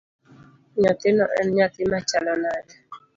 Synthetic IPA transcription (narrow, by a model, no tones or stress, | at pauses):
ɲɔt̪ɪnɔʔɛ̰nɲat̪ɪmat͡ʃalɔnad